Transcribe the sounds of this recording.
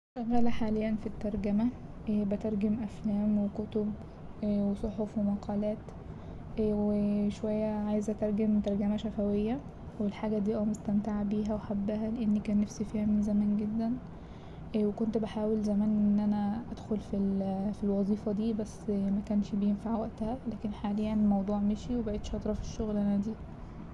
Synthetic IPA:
ʃæɣæːlæħaːlejːænfit̪ːɑɾˤɡæmæ | bet̪ɑɾˤɡemʔæflæːmwekot̪ob | wesˤoħofwemɑqʰɑːlæːt̪ː | weʃowæjːæʕaːjezæt̪ɑɾˤɡemt̪ɑɾˤɡæmæʃæfæwejːæ | welħaːɡæd̪iːʔæwmest̪æmt̪aʕabiːɦæweħabːæhæleʔenːikæːnːæfsifæhemzæmæːnɡed̪ːæn | wekont̪baħaːwelzæmæːnʔenːʔænæʔæd̪xolfilfilwɑzˤiːfɑd̪iːbæsːmækæːnʃbjenfaʕwæʔt̪æhælæːkenħaːlejːænlmɑwd̪ˤuːʕmeʃiwebaʕet̪ʃɑt̪ˤɾˤɑfi̥ʃːoɣlʔæænæd̪iː

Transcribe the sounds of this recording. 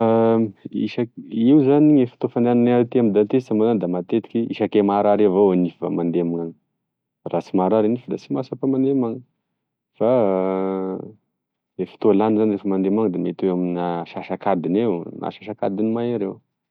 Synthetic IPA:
aḭʃaiwzaniɲefi̥t̪ofand̪eananeaɾit̪iamid̪ant̪esamanand̪amat̪et̪i̥kʲiiʃakemaɾaɾevoanifva̰mand̪eamaŋaŋə | rat͡simaɾaɾinifəd̪at͡simasapamand̪emaŋə | fa | efi̥t̪olanizanrefəmand̪emaŋd̪emet̪eamnaʃaʃakad̪inewnʔa̰ʃaʃaka̰d̪inimajaɾew

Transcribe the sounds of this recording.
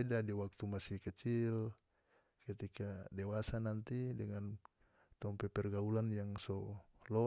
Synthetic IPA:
ɛdadiwak̚t̪umasikɛt͡ʃil | kɛt̪ikadɛwasanant̪idɛŋan | t̪ɔmpɛpɛrɡaulanjaŋsɔlɔ

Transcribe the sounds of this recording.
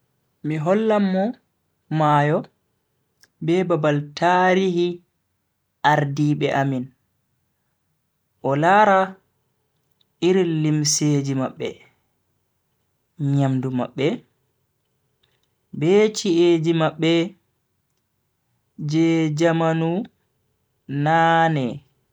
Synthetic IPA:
miɦɔlːamːɔ | maːjɔ | bɛbabaltʰaɾihi | ʔaɾdiɓɛʔamin | ʔɔlaːɾa | iɾilimseːd͡ʒimaɓːɛ̰ | ɲamduma̰ɓːɛ | bɛt͡ʃiʔed͡ʒimaɓːɛ | d͡ʒɛd͡ʒamanu | naːnɛ

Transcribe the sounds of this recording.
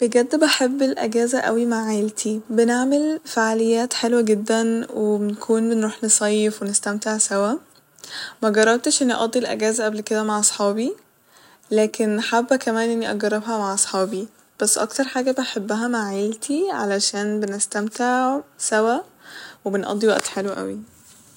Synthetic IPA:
b̥eɡæd̪ːbæħebːelʔeɡæːzæʔæ̰wimaʕːelt̪ʰibeneʕmelfaʕalejːæːt̪ħelwæɡed̪ːænwebenkʰuːnbenɾuːħnesˤɑjːefwenest̪æmt̪eʕsæwæ | mæɡɑrˤːɑb̚t̪eʃʔenːiʔɑ̰d̪ˤːilʔæ̰ɡæːzæʔæblked̪æmaʕʔɑsˤħɑːbi | læːkenːħabːækæmæːnʔenːiʔɑɡɑrˤːɑbhæmaʕʔɑsˤħɑːbi | b̥æsːʔɑ̰kt̪ɑɾˤħaːɡæbeħebːæɦæmaʕʕeːlt̪ʰiʕalæʃæːnbenest̪æmt̪eʕsæwæwebenʔɑ̰d̪ˤːiwæ̰ʔt̪ħelwæʔæ̰wi

